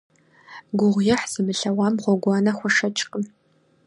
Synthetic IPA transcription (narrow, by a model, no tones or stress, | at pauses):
ɡʷʊʁʷjɛħz̥ɨmɨɬɐwɑːmʁʷɔɡʷɑːnɐχʷɔʂɐt͡ʃʼqʼəm